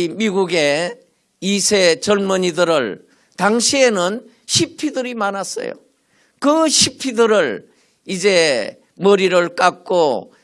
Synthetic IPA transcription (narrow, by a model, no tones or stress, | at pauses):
miɡuɡe | isʰet͡ɕʌɭmʌɲidɯɾɯɭ | t̪aŋɕʰie̞nɯn | ɕʰipʰidɯɾimanas͈ʌ̰jo̰ | kɯɕʰipʰidɯɾɯɭ | id͡ʑe | mʌɾiɾɯɭk͈ak̚k͈o